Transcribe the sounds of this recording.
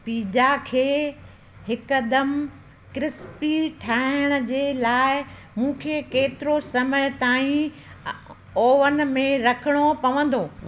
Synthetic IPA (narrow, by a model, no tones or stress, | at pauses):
piːd͡ʑakʰeː | ɦɪkɐd̪əm | kɾɪspiʈʰaːɪɽ̃ʊ̆d͡ʑeːlaːɪ | mũːkʰeːkeːt̪ɪɾosɐməjt̪aːĩ | oːʋənɪ̆mẽɾɐkʰɪɽ̃opɐʋə̃n̆d̪oː